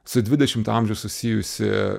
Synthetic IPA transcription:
sʊd̪ʲʋʲɪd̪ʲɛʃʲɪmt̪ɑmʲʒʲɛʊsʊsʲijʊsʲɪ̰

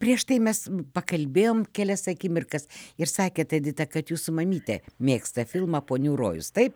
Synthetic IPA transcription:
pʲrʲiɛʃt̪ɐɪmʲɛspɐkɐlʲbʲeːjoːmkʲɛlʲɛsɐkʲimʲɪrkɐsɪrsɑːkʲeːt̪ɐd̪ʲɪt̪ɐkɐt̪juːsʊmɐmʲiːt̪ʲɛ̰mʲeːkst̪ɐfʲɪlˠmɐpoːnʲuːɾo̰ːjʊ̰st̪ɐɪp

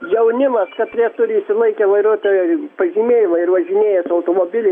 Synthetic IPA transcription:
jɛʊnʲɪmɐskɐt̪ʲɾʲɛːt̪ʊɾʲɪiʃʲsʲɪlˠɐɪkʲɛʋɐɪɾuɔt̪ʲɐpɐʒʲiːmʲeːjɪmɐɪrʋɐʒʲɪnʲeːjɛsɐʊt̪oːmoːbʲɪlʲɛ

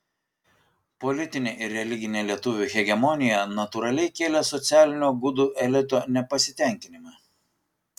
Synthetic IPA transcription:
pɔlʲɪt̪ʲɪnʲeːʔɪɾʲɾʲɛlʲɪɡʲɪnʲeːlʲiɛt̪ʊʋʲuːˑxʲɛɡʲɛmɔnʲɪjɛnɐt̪ʊɾɐlʲɛɪkʲeːlʲɛsɔt̪sʲæːlʲɪnʲuːɡʊd̪uːʔɛlʲɪt̪oːnʲɛpɐsʲɪt̪ʲɛˑŋʲkʲɪnʲɪmɐ

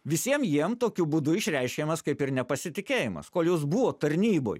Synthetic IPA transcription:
ʋʲɪsʲiɛmjiɛmt̪oːkʲʊbud̪ʊɪʃʲɾʲɛɪʃʲkʲeːmɐskɐɪpɪɾnʲɛpɐsʲɪt̪ʲɪkʲeːjɪmɐ̰skoːlʲˠjoːs̬buʋoːt̪ɐɾʲnʲiːbo̰ːj

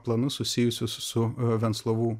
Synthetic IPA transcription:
plˠɐnʊssʊsʲɪjʊsʲʊssʊʋʲɛnt̪slˠoːʋuː

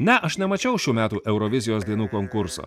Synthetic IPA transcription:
nʲɛʔɐʃnʲɛmɐt͡ʃʲɛʊʃʲuːmʲæːt̪uːʔɛʊɾoʋʲɪzʲɪjoːsd̪ʲiɛnuːkoŋkʊɾso̰ː

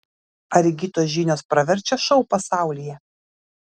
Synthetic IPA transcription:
ɐɾʲɪɡʲiːt̪oːsʒʲiːnʲoːspɾɐʋʲɛɾʲt͡ʃʲɛʃɒʊpɐsɑˑʊlʲijɛ

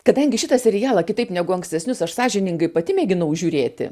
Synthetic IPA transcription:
kɐd̪ɐŋʲɡʲɪʃʲɪt̪ɐsʲɛɾʲɪjæːlˠɐkʲɪt̪ɐɪpnʲɛɡʊɐŋksʲt̪ʲɛsʲnʲʊsɐʃsɑːʒʲɪnʲɪŋɡɐɪpɐt̪ʲɪmʲeːɡʲɪnɐʊʒʲuːɾʲeːt̪ʲɪ̰

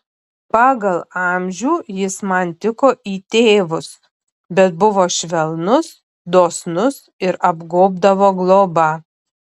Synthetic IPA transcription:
pɑːɡɐlˠɑːmʲʒʲuːjɪsmɐnt̪ʲɪkoːʔiːt̪ʲeːʋʊs | bʲɛt̪̚bʊʋoːʃʲʋʲɛlˠnʊs | d̪oːsnʊs | ɪɾɐbɡoːbd̪ɐʋoːɡlˠoːbɐ

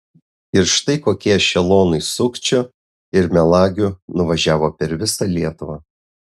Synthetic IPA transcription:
ɪɾʃt̪ɐɪkoːkʲiɛʃʲɛlˠoːnɐɪsʊkt͡ʃʲo | ɪɾmʲɛlˠɑːɡʲʊnʊʋɐʒʲæːʋoːpʲɛɾʋʲɪsɑlʲiɛt̪ʊʋɑː

